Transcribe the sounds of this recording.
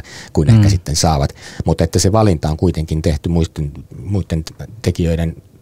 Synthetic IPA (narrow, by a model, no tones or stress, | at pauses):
kuinehkæsit̪ːensɑːʋɑt̪mut̪et̪ːæseʋɑlint̪ɑoŋkuit̪eŋkint̪eht̪ymuist̪inmuit̪ːent̪ekiøiɾen